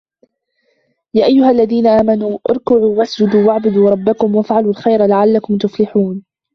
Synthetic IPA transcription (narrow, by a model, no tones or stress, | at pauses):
jaːʔajːʊhalːaðiːnaʔaːmanuːʔɑ̰ɾˤkʊʕuːwasd͡ʒʊd̪uːwaʕbʊd̪uːɾˤɑbːakʊmwafʕaluːlxajɾalaʕalːakʊmt̪ʊflɪħuːn